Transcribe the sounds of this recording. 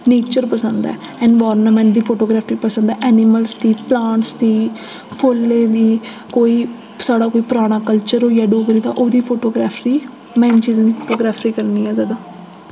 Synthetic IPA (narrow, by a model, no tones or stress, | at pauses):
neːt͡ʃəɾpəsənd̪ɛ̰ː | ɛnʋɔːɾnmɛ̃ːɳʈ̚d̪iːpʰoːʈoːɡɾaːpʰɾiːpəsə̃nd̪ɛːʔɛːnɪməlsd̪iːplãːɳʈsd̪iː | pʰʊlːẽːd̪iː | koːiː | saːɽaːkoːiːpɾaːɽ̃aːkəlt͡ʃəɾoːjaːɖoːɡɾiːd̪a̰ːʔoːd̪iːpʰoːʈoːɡɾaːpʰɾiː | mɛ̃ːnt͡ʃiːzãːd̪iːpʰoːʈoːɡɾaːpʰɾiːkəɾniːɛːzaːd̪aː